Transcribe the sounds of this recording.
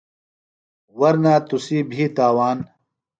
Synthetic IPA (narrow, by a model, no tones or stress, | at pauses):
wɐɾnaːt̪usiːbʱiːt̪aːwaːn